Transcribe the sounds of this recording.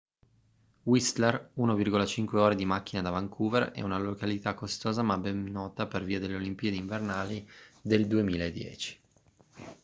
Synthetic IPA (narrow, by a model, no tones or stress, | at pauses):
wist̪lɛrunovirɡolat͡ʃiŋkweoːɾed̪imakːinad̪avaŋkʰuːvɛrɛ̰unalokalit̪akːost̪oːzamabɛnːɔːt̪aperviːad̪elːeolimpiːed̪iɱvernaːlid̪eld̪uemiːlaed̪jɛ̰ːt͡ʃi̥